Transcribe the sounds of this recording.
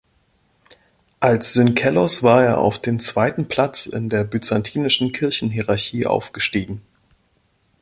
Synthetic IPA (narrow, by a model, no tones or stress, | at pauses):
ʔalsz̥ʏnkʰɛlɔsv̥aːɐeːɐʔa̰ʊfd̥eːnt͡sv̥aɪtn̩pʰl̥at͡sɪ̰ndeːɐbyt͡santʰiːnɪʃn̩kʰɪɐçn̩ɦiʁaɐçiːʔa̰ʊfɡ̥əʃtiːɡŋ̩